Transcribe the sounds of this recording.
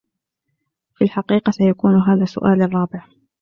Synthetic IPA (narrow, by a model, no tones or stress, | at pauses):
filħaqiːqɑsajakuːnɦaːðaːsʊ̰ʔaːlɑrˤːɑːbɪʕ